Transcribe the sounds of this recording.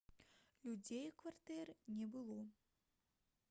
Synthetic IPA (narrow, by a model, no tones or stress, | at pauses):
lʲud͡zʲejikvart̪ɛrnʲɛbɨlˠɔ